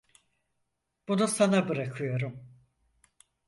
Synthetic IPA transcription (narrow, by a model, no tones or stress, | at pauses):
b̥unusanabɯɾakʰɯjo̞ɾum